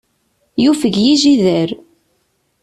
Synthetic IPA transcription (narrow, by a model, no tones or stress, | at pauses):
jufəʝjiʒiðəɾ